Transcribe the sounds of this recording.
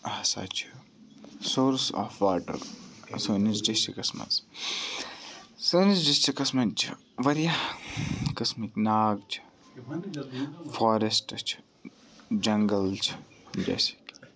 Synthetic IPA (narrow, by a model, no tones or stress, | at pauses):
ɐsa̰ːt͡ʃʰi̥ | soːɾsɔ̰ːfʋaːʈɐ̰ɾsoːnizd͡ʒɐst͡ʃʰikɐsmɐ̰z | soːnisd͡ʒɐst͡ʃikɐsmɐt͡ʃʰḭ | ʋɐɾja | kɐsmiknaːɡt͡ʃʰ | foːɾesʈɐt͡ʃʰ | d͡ʒɐŋɡəlt͡ʃʰd͡ʒḛːsi̥kʲ